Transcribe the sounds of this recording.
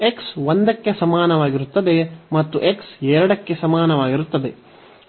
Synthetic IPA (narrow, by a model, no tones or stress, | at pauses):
eksʋond̪ɐkːe̞sɐmaːnɐʋaːɡiɾut̪ːɐd̪e̞mɐt̪ːuʔeksɛːɾɐɽɐkːe̞sɐmaːnɐʋaːɡiɾut̪ːɐd̪e̞